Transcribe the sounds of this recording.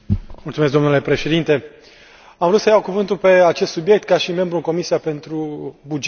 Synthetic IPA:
mult̪sumes̬ɡd̪o̞mnule̞pɾe̞ʃe̞d̪int̪e̞ | amvəɾut̪səjawkuvɨnt̪ulpe̞at͡ʃest̪subje̞k̚t̪kaʃime̞mbɾuɨŋko̞misiape̞nt̪ɾubud͡ʒ

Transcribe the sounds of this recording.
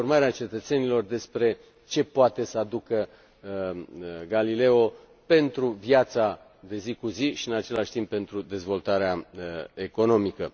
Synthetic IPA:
rmaɾeat͡ʃe̞t̪ət̪se̞nilo̞rd̪e̞spɾe̞ | t͡ʃe̞poat̪e̞səad̪ukə | ɡalile̞o̞ | pe̞nt̪ɾuvjat̪sa | d̪e̞zikuziʃiɨnat͡ʃe̞laʃʲt̪imp̚pe̞nt̪ɾud̪e̞zvo̞lt̪aɾeae̞ko̞no̞mikə

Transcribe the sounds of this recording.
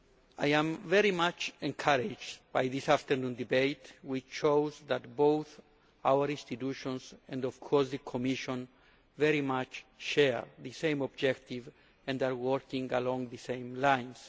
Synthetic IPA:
ajãmvɛɹimat͡ʃɛ̃ŋkʰaɾɪd͡ʒdbajðisaft̪əɹnũndibeɪtwit͡ʃt͡ʃowzðatbowθ | awəɾĩnst̪it̪uʃɔ̃nsɛ̃ndɔv̥kʰɔɹsðəkʰɔmiʃɔ̃n | vɛɹimat͡ʃʃɛɹðɨsẽj̃mɔbd͡ʒɛkt̪iv | ɛ̃ndaɹwɔɹkĩŋalɔ̃ŋðəsẽɪ̃mlãj̃ns

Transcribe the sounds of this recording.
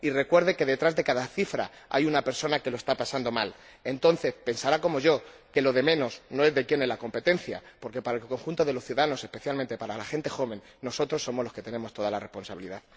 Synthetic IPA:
ire̞kwe̞ɾðe̞ke̞ðet̪ɾazðe̞kaðaθifɾa̰a̰junape̞ɾso̞nake̞loe̞st̪apasand̪o̞mal | e̞nt̪o̞nθe̞spe̞nsaɾako̞mo̞ʝo̞ke̞loðe̞mẽ̞no̞sno̞e̞zðe̞kjenezlako̞mpe̞t̪e̞n̟θja̰po̞ɾke̞paɾaelko̞ŋxunt̪o̞ðe̞lo̞sθjuðaano̞se̞spe̞θjalmẽnt̪e̞paɾalaxe̞nt̪e̞xo̞βẽ̞nːo̞so̞t̪ɾo̞sːo̞mozlo̞ske̞t̪e̞ne̞mo̞st̪o̞ðalare̞spo̞nsaβiliðað

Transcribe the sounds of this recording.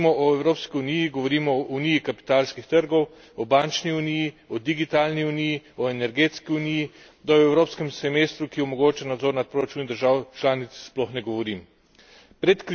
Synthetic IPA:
mɔʔɔɛwɾoːpskiunijiɡɔʋɔɾiːmɔunijikapi̥t̪aːlskixt̪əɾɡɔw | ɔbant͡ʃniunijiɔd̪iɡit̪aːlniunijiɔɛnɛɾɡeːt̪skiuniji | d̪aɔɛwɾoːpskɛmsɛmeːst̪ɾukiɔmɔɡoːt͡ʃanad̪zɔːɾnat̪̚pɾoɾat͡ʃuːnd̪əɾʒaːwt͡ʃlaːnit̪ssplɔxnɛɡɔʋɔɾim | pɾɛt̪kɾ

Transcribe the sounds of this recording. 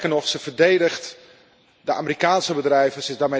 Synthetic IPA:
kənɔχsəv̥ərdejdəxt | dəʔaːmərikaːnsəbədrɛjvəsɪzdame

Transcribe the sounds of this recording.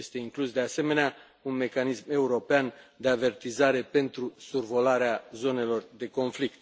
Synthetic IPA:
est̪e̞iŋklusd̪e̞ase̞me̞nea | unme̞kanisme̞uɾo̞peand̪e̞ave̞rt̪izaɾe̞pe̞nt̪ɾusurvo̞laɾeazo̞ne̞lo̞rd̪e̞ko̞nflik̚t̪

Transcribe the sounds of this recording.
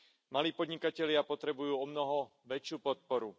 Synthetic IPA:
maliːpɔd̪ɲikacɛʎɪapɔt̪ɾɛbujuːɔmnɔɦɔʋɛt͡ʃɪuːpɔt̪̚pɔɾu

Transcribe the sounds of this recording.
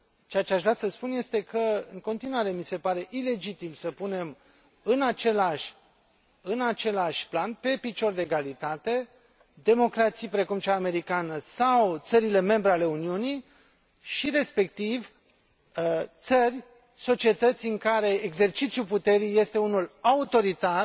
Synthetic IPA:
t͡ʃeat͡ʃeaʃvɾʲasəspunje̞st̪e̞kʰəɨŋko̞nt̪inwaɾe̞mise̞paɾe̞ʔile̞d͡ʒit̪imsəpune̞m | ɨnat͡ʃe̞laʃʲ | ɨnat͡ʃe̞laʃʲplanpe̞pit͡ʃo̞rd̪eeɡalit̪at̪e̞ | d̪e̞mo̞kɾat̪sijpɾe̞kumt͡ʃaːme̞ɾikanəsawt̪səɾile̞me̞mbɾeale̞uniuni | ʃiɾe̞spe̞kt̪iv | t̪sərʲ | so̞t͡ʃie̞t̪ət̪sʲiɨŋkaɾe̞ːɡze̞rt͡ʃit̪sjuput̪e̞ɾijje̞st̪e̞unulaut̪o̞ɾit̪ar

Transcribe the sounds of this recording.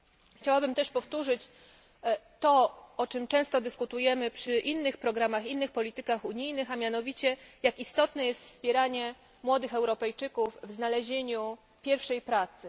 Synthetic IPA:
xt͡ɕawabɘmt̪ɛʂpɔft̪uʐɘt͡ɕ | t̪ɔɔt͡ʂɘmt͡ʂɛ̃w̃st̪ɔd̪ɘskut̪ujɛmɘpʂɘʔinːɘxpɾɔɡɾamaxinːɘxpɔlʲit̪ɘkaxuɲijnɘxamʲjanɔvʲit͡ɕɛjakist̪ɔt̪nɛjɛst̪fspʲjɛɾaɲɛ | mwɔd̪ɘxɛwɾɔpɛjt͡ʂɘkuvvznalɛʑeɲu | pʲjɛɾfʂɛjpɾat̪sɘ

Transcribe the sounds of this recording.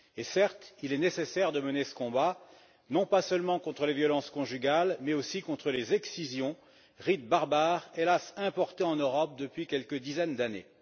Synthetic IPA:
esɛʁt̪ilɛnesesɛʁd̪əmənesə̥kɔ̃ba | nɔ̃pasœlmɑ̃kɔ̃t̪χəlevjɔlɑ̃skɔ̃ʒyɡʲalmɛosikɔ̃t̪χəlezɛksizjɔ̃ | ʁit̪̚baʁbaʁelasɛ̃pɔʁt̪eɑ̃nøʁɔp̚d̪əpɥikʲɛlkəd̪izɛnd̪anḛ

